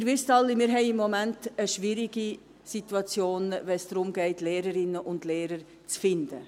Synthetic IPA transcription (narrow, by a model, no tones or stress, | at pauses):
ɪɾvɪstɑlːimɪːɾɦɛɪɪmːɔmæntəʃviɾiɡi | situɑt͡sjoːnvɛnsd̥ɾʊmɡɛɪtleːɾəɾɪnːəʔʊndleːɾəɾ | t͡sfɪnd̥ə